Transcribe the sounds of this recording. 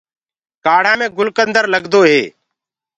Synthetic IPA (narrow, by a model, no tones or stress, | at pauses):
kaːɽ̤ãːmẽːɡʊlkənd̪əɾləɡd̪oːɦeː